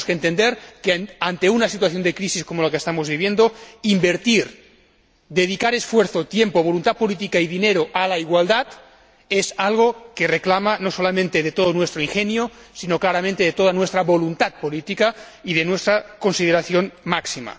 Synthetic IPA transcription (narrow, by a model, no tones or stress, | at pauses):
skent̪end̪eɾkeant̪e̞unasit̪waθjo̞nd̪ekɾisiskomolakest̪amozβiβjend̪oimbeɾt̪iɾ | d̪eð̞ikaɾesfweɾθot̪jempoβ̞olunt̪at̪̚polit̪̬ikaiðineɾoʔalaiɣwald̪at̪ | ezalɣ̞okereklamanosolamẽnt̪eðet̪oðonwest̪ɾoiŋxenjosinoklaɾamẽnt̪eet̪oðanwest̪ɾaβo̞lunt̪at̪̚polit̪ika | iðenwest̪ɾakonsiðeɾaθjonmaksima̰